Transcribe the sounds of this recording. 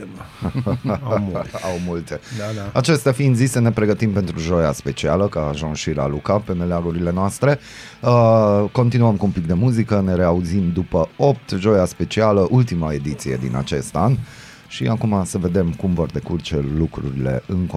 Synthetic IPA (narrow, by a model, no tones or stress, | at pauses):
awmult̪e̞at͡ʃe̞st̪eafind̪zisəne̞pɾe̞ɡət̪impe̞nt̪ɾuʒo̞ja̰spe̞t͡ʃialəkaːʒuŋsʃila̰lukape̞me̞leaɡuɾile̞noast̪ɾe̞ | əko̞nt̪inuəmkuumpik̚d̪e̞muzikəne̞ɾe̞auzimd̪upəo̞p̚t̪ʒo̞jaspe̞t͡ʃialəʔult̪imae̞d̪it̪sije̞d̪ḭna̰t͡ʃe̞̰st̪an | ʃiakumasəve̞d̪e̞mkumvo̞rd̪e̞kurt͡ʃelukɾṵɾile̞̰ɨŋk